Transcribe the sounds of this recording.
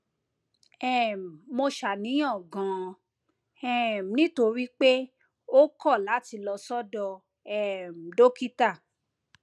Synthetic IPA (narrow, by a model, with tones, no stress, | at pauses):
ɛ˦˨mo˧ʃa˨nĩ˨˦ã˦˨ɡã˨˦ | ɛ˦˨m˨nĩ˦to˧ɾi˦k͡pe˦ | o˦kɔ˦˨la˨˦ti˧lɔ˧sɔ˦dɔ˧ | ɛ˦˨m̩˨do˦ki˦ta˦˨